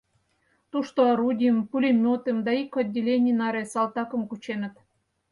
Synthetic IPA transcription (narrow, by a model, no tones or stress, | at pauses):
t̪uʃt̪oɾudʲijəmpulʲemʲot̪əmd̪ɑikod̪ʲːelʲenʲinɑɾesɑlˠt̪ɑkə̆mkut͡ɕenə̆t̪